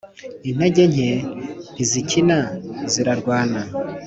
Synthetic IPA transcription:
in̥eɟe̞ɲe̞n̥izicinaziɾaɾɡwaːna

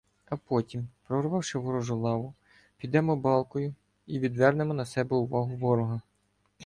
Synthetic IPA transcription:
ɐpɔtʲimpɾɔrʋɑwʃɪʋɔɾɔʒʊlˠɑʋʊ | pʲid̪ɛmɔbɑlˠkɔjʊ | iʋʲid̪ʋɛrnemɔnɐsɛbɛʊʋɑɦʊʋɔɾɔɦɐ

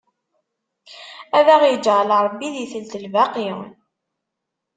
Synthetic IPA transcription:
æðæʁjəd͡ʒʁlɾˤbːiðjθəlt̪əlvaqiw̰n

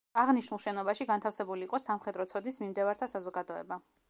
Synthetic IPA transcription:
aʁniʃnulˠʃɛnɔbaʃiɡant̪ʰafsɛbuliːqʼɔsamχɛd̪ɾɔt̪sʰɔd̪nismimd̪ɛvaɾt̪ʰasazɔɡad̪ɔɛ̰ba

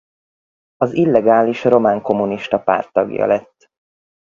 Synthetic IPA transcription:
ɒzilːɛɡaːliʃro̞maːŋko̞muniʃt̪ɒpa̰ːrt̪ːɒɡjɒ̰lɛt̪ː

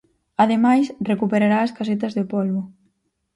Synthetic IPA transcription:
aðemajsrekupeɾaɾaːskas̬et̪ɐzðɪpolβʊ

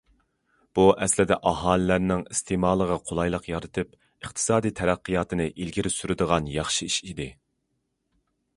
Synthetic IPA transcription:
b̥uʔɛslɪd̪ɛʔɑɦɑːlˠɨlæɾnɪŋist̪ʰɪmɑːlˠəʁəqʰolˠɑjlˠəqjɑɾɨt̪ʰɨp | əχt̪ʰɨ̥sɑːd̪ijt̪ʰɛɾæqːɨjɑːt̪ʰɨnɨʔilɡʲiɾɪsyɾɪd̪əʁɑnjɑχʃiiʃid̪ɪ

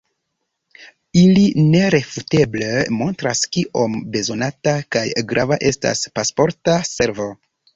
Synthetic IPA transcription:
iline̞ɾe̞fute̞blemo̞ntɾaskiʔo̞mbe̞zo̞natakajɡɾavaʔe̞sta̰spaspo̞ɾtase̞ɾvo̞

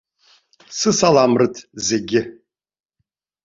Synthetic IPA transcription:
sɨsalamrɨtʰzeɡʲɪ

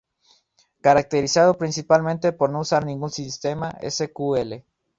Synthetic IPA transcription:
kaɾak̚t̪eɾisaðopɾinsipalmẽnt̪e̞po̞ɾnousaɾnĩŋɡunsist̪e̞maḛsekuele

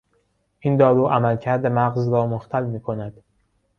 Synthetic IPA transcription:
ʔind̪ɒːɾuːʔæmælcʰæɾd̪emæɣzɾɒːmoxt̪ʰælmiːkʰonæd̪̥

